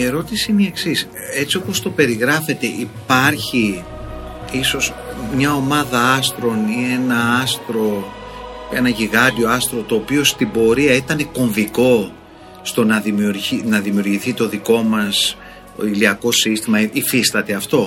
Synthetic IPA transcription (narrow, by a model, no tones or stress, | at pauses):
e̞ɾo̞t̪isimieksis | e̞t͡sio̞po̞st̪o̞pe̞ɾiɣɾɐfe̞t̪e̞ʔipɐɾçi | iso̞z | mɲɐo̞mɐðɐɐst̪ɾo̞nie̞nɐɐst̪ɾo̞ | enɐʝiɣɐd̪io̞ɐst̪ɾo̞t̪o̞ːpio̞st̪ibo̞ɾiɐit̪ɐne̞ko̞ɱviko̞ | st̪o̞nɐðimiuɾʝinɐðimiuɾʝiθit̪o̞ðiko̞mɐs | o̰iliɐko̞sist̪imɐifist̪ɐt̪e̞ɐft̪o̞